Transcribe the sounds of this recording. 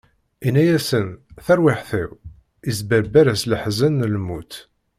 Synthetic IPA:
inæjæsənθæɾwɪħθæw | izbæɾbæɾæsləħzænːəlmut̪

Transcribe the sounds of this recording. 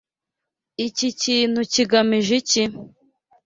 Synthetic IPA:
iciciːn̥huciɡamiʒici

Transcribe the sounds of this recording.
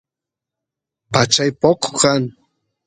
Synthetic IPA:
pat͡ʃajpoqkan

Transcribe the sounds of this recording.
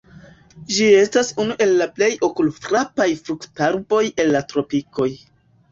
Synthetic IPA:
d͡ʒie̞stasunuʔe̞lːaple̞jo̞kultɾapajfɾuktaɾbo̞je̞lːatɾo̞piko̞j

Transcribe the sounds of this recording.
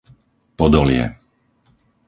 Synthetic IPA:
pɔd̪ɔlɪɛ̰

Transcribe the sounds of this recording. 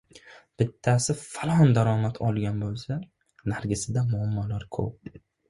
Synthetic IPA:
b̥ɪt̪ʰːasɪfalˠɒnd̪aɾɒmat̪ʰɒlˠɡʲanbolˠsa | naɾɡʲɪsɪd̪amʊamːɒlaɾkʰɵ̰p̚

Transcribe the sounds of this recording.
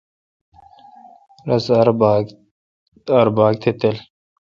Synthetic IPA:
ɾɐsɐɾ | ɐɾbaːɡ̚t̪ʰet̪el

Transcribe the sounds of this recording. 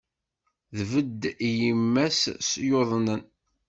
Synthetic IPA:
ðvəd̪ːjəmːæssjoðˤnən

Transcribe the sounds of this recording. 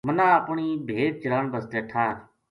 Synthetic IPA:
mənãːəpɳiːbʱeːd̪̚t͡ʃɪɾaːɳbəst̪eːʈʰãː

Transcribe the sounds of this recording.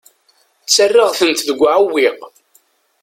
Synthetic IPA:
t͡sːərːəʁθənt̪ðəɡʷːʕəwːiq

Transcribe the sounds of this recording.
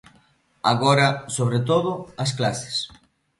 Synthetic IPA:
a̰ɣoɾɐsoβɾet̪̬oðʊɐs̬klase̥s

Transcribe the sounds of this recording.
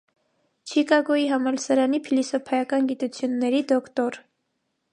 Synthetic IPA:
t͡ʃʰikɑɡɔiɦɑmɑlsəɾɑnipʰilisɔpʰɑjɑkɑnɡit̪ut͡sʰjunːɛɾid̪ɔkt̪ɔɾ

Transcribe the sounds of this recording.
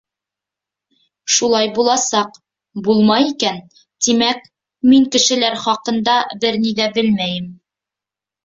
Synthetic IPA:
ʃulˠɑjbulˠɑsɑq | bulˠmɑjikæn | t̪imæk | miŋkɘ̆ʃɘ̆læɾχɒqɤ̆nd̪ɑbɘɾnid̪æbɘlmæjɘm

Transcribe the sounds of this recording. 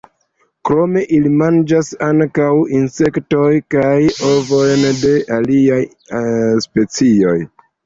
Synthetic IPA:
kɾo̞me̞ʔilimand͡ʒasaŋkawinse̞kto̞jkajo̞vo̞jnde̞ʔaliaj | spe̞t͡sio̞j

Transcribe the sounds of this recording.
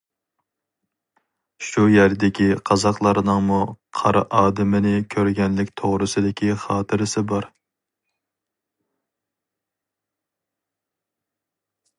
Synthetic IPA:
ʃujæɾd̪ɪkʲiqʰɑzɑqlˠɑɾɨnɨŋmuqʰɑɾɨ̰ʔɑːd̪ɪmɪnɪkʲʰøɾɡʲɛnlɪkʲt̪ʰoʁɾɨsɨd̪ɪkʲʰiχɑːt̪ʰɨɾɪsɪbɑɾ

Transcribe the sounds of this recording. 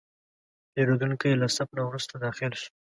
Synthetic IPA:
peɾod̪uŋkijlasap̚nawɾust̪ad̪ɑxɪlʃ

